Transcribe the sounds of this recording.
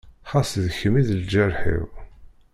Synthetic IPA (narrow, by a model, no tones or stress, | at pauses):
χasðəçəmiðəld͡ʒəɾħḭw